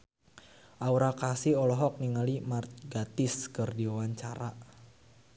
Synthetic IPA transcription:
ʔauɾakasiɔlɔɦɔk̚niŋalimart̪̚ɡat̪ɪskɨrdiawaɲt͡ʃaɾa

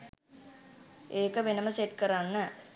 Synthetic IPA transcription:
eːkəʋenəməseʈ̚kəɾanːə

